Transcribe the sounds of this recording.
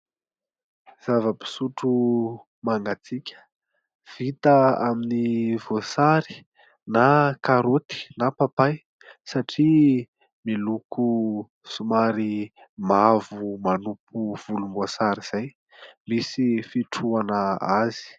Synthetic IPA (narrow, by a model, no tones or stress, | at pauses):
z̥avəpi̥suʈ͡ʂu | maŋɡat͡sikʲə̥ | v̥it̪əaminivosaɾi̥ | nakaɾot̪i̥napapaj | saʈ͡ʂi | miluku | sumaɾi | mavumanupʰuv̥ulumosaɾiz̥aj | misifiʈ͡ʂuanəazi̥